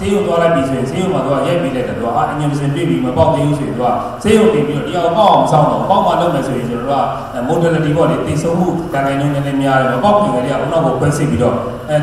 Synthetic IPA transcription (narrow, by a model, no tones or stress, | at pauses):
sejõt̪walaɪʔp̪isʰojɪ̃nsejõmat̪ua̰jɛʔpelak̪at̪ṵa̰ʔa̰ʔəɲɪ̃məs̬ɪ̃mpjḛpiməpãt̪ẽmusojɪ̃ua̰ | sejõʊ̃tɪ̃mpiɔijãpa̰ʔãʊ̃məsʰã̰ʊnɔ̰paʊ̃maloʊʔmɛsojɪ̃nsʰoɔo̰a̰ | motələtibɔlet̪ẽsʰõʊ̃m̥ṵdãŋãɪ̃nõnɛ̃lɛ̃mjaɾɛ̰məpaʊ̃pjiɡɛɾeaʔo̰nakokʰwɛ̰̃sɪ̰̃piɾɔ̰